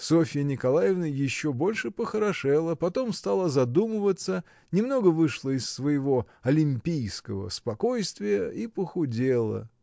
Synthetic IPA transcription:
so̞fʲɪjənʲɪkɐlˠajɪvnəjɪɕːo̞bo̞lʲʂɨpəxəɾɐʂɛlˠəpɐt̪o̞mst̪alˠəzɐd̪umɨvət̪sə | nʲɪmno̞ɡəvɨʂlˠəɪsːvəjɪvo̞ | ɐlʲɪmʲpʲijskəvə̰spɐko̞jst̪vʲɪjəipəxʊdʲelˠə̰

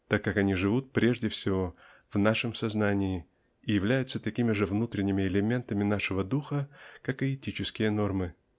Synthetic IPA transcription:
t̪akːakɐnʲiʐɨvut̪̚pɾʲe̞ʐdʲɪfsʲɪvo̞ | vnaʂɨmsɐznanʲɪɪ | ɪjɪvlʲæjʊt̪sət̪ɐkʲimʲɪʐɨvnut̪ɾʲɪnʲːɪmʲɪɪlʲɪmʲe̞nt̪əmʲɪnaʂɨvəd̪uxəkakɨɪtʲit͡ɕɪskʲɪjəno̞rmɨ

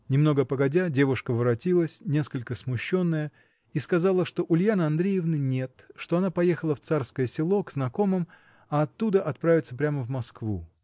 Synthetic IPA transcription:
nʲɪmno̞ɡəpəɡɐdʲadʲe̞vʊʂkəvəɾɐtʲilˠəsʲnʲe̞skəlʲkəsmʊɕːo̞nːəjə | iskɐzɑlˠəʂt̪o̞ʔʊlʲjanəɐnd̪ɾʲejɪvnɨnʲe̞t̪ʂt̪o̞ɐnapɐjexəlˠəft̪sarskəjəsʲɪlˠo̞ɡznɐko̞mɨm | ɐɐt̪ːud̪əʔɐt̪̚pɾavʲɪt̪səpɾʲaməvmɐskvṵ

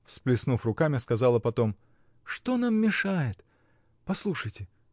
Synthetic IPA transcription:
fsplʲɪsnufrʊkamʲɪskɐzɑlˠəpɐt̪o̞m | ʂt̪o̞namːʲɪʂajɪt̪ | pɐslˠuʂəjtʲɪ

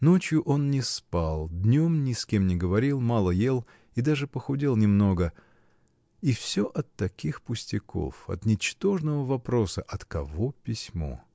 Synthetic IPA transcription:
not͡ɕjʊʔo̞nnʲɪspalˠd̪ʲnʲo̞mnʲɪskʲemnʲɪɡəvɐɾʲilˠmɑlˠəje̞lˠ | id̪aʐɨpəxʊdʲilˠnʲɪmno̞ɡə | ifsʲoʔɐt̪ːɐkʲixpʊsʲtʲɪkʰo̞̰fɐ̰t̪nʲɪt͡ɕt̪o̞ʐnəvəvɐpɾo̞səʔɐt̪kɐvo̞pʲɪsʲmo̞̰

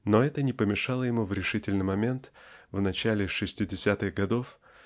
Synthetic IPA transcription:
noɛt̪ənʲɪpəmʲɪʂɑlˠəjɪmuvɾʲɪʂɨtʲɪlʲnɨjmɐmʲe̞nt̪vnɐt͡ɕælʲɪʂɨsʲtʲɪdʲɪsʲat̪ɨɣɡɐd̪o̞f

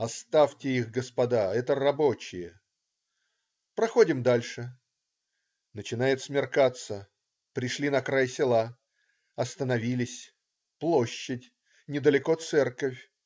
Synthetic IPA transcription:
ɐst̪aftʲɪixɡəspɐd̪aɛt̪ərɐbot͡ɕɪjə | pɾɐxo̞dʲɪmd̪alʲʂɨ | nət͡ɕɪnajɪt̪smʲɪrkat̪sə | pɾʲɪʂlʲinɐkɾajsʲɪlˠa | ɐst̪ənɐvʲilʲɪsʲ | plˠoɕːɪtʲ | nʲɪd̪əlʲɪko̞t̪sɛrkəfʲ

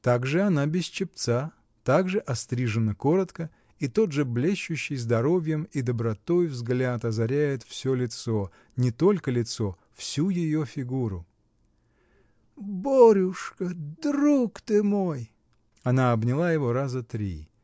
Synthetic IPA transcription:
t̪aɡʐɨɐnabʲɪst͡ɕɪp̚t̪sa | t̪aɡʐɨʔɐst̪ɾʲiʐɨnəko̞ɾət̪kə | it̪o̞d̪ʐɨblʲeɕːʉɕːɪjzd̪ɐɾo̞vʲjəmid̪əbɾɐt̪o̞jvzɡlʲat̪ɐzɐɾʲæjɪt̪fsʲolʲɪt̪so̞ | nʲɪt̪o̞lʲkəlʲɪt̪so̞ | fsʲujɪjo̞fʲɪɡuɾʊ | boɾʲʊʂkəd̪ɾukt̪ɨmoj | ɐnaɐbnʲɪlˠajɪvo̞ɾazət̪ɾʲḭ

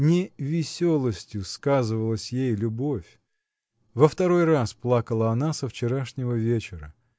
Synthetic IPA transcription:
nʲɪvʲɪsʲolˠəsʲtʲjʊskazɨvəlˠəsʲjejlʲʊbo̞fʲ | vəft̪ɐɾo̞jrasplˠakəlˠəɐnasəft͡ɕɪɾaʂnʲɪvəvʲet͡ɕɪɾə

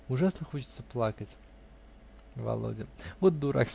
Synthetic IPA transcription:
ʊʐasnəxot͡ɕɪ̥t̪səplˠakətʲ | vɐ̰lˠo̰dʲɪvot̪̚d̪uɾʔa̰ksʲ

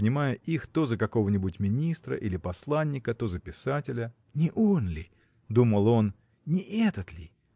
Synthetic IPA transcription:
ənʲɪmajʊʔixt̪o̞zəkɐko̞vənʲɪbʊtʲmʲɪnʲist̪ɾə̰ʔilʲɪpɐslˠanʲːɪkət̪o̞zəpʲɪsatʲɪlʲə | nʲɪʔonlʲɪ | d̪uməlˠo̞n | nʲɪʔɛt̪ət̪lʲɪ

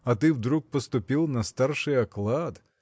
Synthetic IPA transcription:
ɐt̪ɪwd̪ɾuk̚pɔst̪ʊpʲilˠnɐst̪ɑrʃɪjɐklˠɑd̪

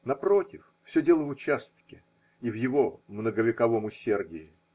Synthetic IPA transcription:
nɐpɾo̞tʲɪf | fsʲɵdʲe̞lˠəvʊt͡ɕast̪kʲɪ | ivjɪvo̞mnəɡəvʲɪkɐvo̞mʊsʲe̞rdʲɪɪ

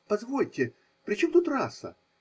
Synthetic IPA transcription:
pɐzvolʲtʲːɪ | pɾʲɪt͡ɕomt̪ut̪rasə̰

